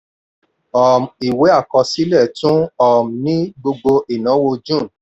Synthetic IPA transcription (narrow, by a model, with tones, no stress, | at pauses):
ɔ˨mi˨we˨˦a˦˨kɔ˧si˨˦lɛ˦˨tũ˦ɔ˦˨m˨nĩ˦ɡ͡bo˧ɡ͡bo˧ʔi˨nã˨˦wo˧d͡ʒũ˦˨n